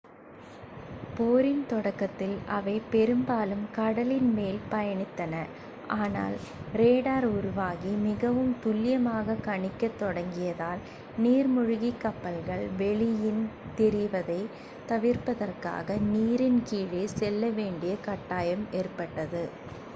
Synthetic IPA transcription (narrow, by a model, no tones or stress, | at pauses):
poːɾɪnt̪ɔɽɐkːɐt̪ːɪlɐ̰ʋɐɪpɛɾɯmbaːlɯmkɐɽɐlɪnmeːlpɐjɐɳɪt̪ːɐnɐ | aːna̰ːl | ɾeːɽaːɾʊɾʊʋaːɣimɪɣɐʋɯmt̪ʊlːɪjɐmaːɣɐkɐɳɪkːɐt̪ːɔɽɐŋɡɪjɐðaːl | niːɾmʊɻʊɣikːɐpːɐlɣɐɭʋɛɭɪjɪn | t̪ɛɾɪʋɐðɐɪ | t̪ɐʋɪrpɐðɐrka̰ːɣɐniːɾɪnkiːɻeːsɛlːɐʋeːɳɖɪjɐkɐʈːaːjɐmeːrpɐʈːɐðɯ